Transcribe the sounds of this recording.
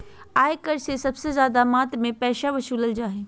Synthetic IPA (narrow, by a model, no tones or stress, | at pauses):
aːekəɾsesɐbsezjaːd̪amaːt̪ɾmẽpɛːʃaʋɐʃuːləld͡ʒaːɦeː